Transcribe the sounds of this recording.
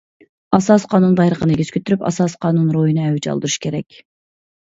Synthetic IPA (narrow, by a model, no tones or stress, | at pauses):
ɑsɑsqʰɑnunb̪ɑjɾəqʰəneɡʲiz̥kʰʲøt̪ʰyɾypɑ̰sɑsqʰɑnunɾojinɨɛwyt͡ʃɑ̰lˠd̪uɾuʃkʲʰeɾɛkʲ